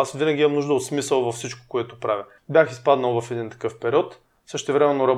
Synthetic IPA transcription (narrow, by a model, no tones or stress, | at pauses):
asvinɐɡʲiimɐmnuʒd̪əot̪smisəlˠvɐfsit͡ʃko̥koɛt̪opɾavʲə | bʲjaxispad̪nɐlˠvɐfɛd̪int̪ɐ̥kɤfpɛɾiɔt̪ | sɤʃt̪ɛvɾɛmɛnːoɾɐb